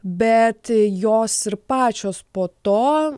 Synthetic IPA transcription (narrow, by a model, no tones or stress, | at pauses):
bʲɛt̪joːsɪɾpɑːt͡ʃʲoːspoːt̪oː